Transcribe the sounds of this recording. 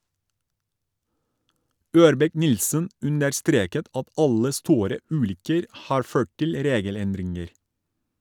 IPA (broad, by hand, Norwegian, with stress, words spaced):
ˈøːɾbɛˌknɪlsən ˈʉnəɾˌstɾeːkət ˈɑt ˈɑlə ˈstuːɾə ˈʉːlʏkəɾ ˈhɑːɾ ˈføː ˈʈɪl ˈɾeːɡəˌlɛndɾɪŋəɾ